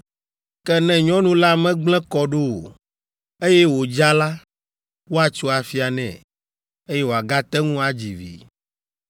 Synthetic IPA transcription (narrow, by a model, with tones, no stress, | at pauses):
kɛ˦nɛ̃˨ɲɔ̃˦nũ˦la˦mɛ̃˦ɡ͡blɛ̃˦kɔ˦ɖo˦o̰˨ | e˦jɛ˦wo˨d͡ʒa˦la˦ | wo˦a˨t͡ʃo˦a˨fi˦a˨nɛ̰̃˨ | e˦je˦wo˨a˨ɡa˦t̪ɛ˦ŋũ˦a˨d͡ʑi˨vḭ˨